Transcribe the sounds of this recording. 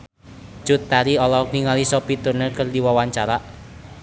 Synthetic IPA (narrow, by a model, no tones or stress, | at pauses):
d͡ʒ̥ʊt̪ːaɾiɔlɔkniŋalisɔpit̪ʊrnekərdiwawaɲt͡ʃaɾaʔ